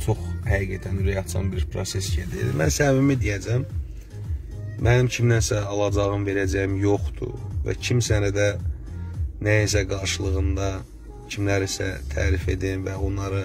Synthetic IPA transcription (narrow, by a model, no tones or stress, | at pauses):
t͡ʃʰo̞χhæɣiɡæt̪ʰænɾejɑkt̪jo̰nbiɾpʰɾosesɟed̪ḭɾd̪ḭmænsævimid̪ijæd͡ʒæm | mʔænimcʰimnænsæɑlˠɑd͡ʒɑʁɯmve̞ɾæd͡ʒæjimjo̞χt̪ṵvæ̰cʰimsænæd̪æ | næjisæɡɑɾʃɯlˠɯɣɯnd̪ɑ | cʰimlæɾisæ̰t̪ʰæ̰ːɾife̞̰d̪invæonlˠɑɾɯ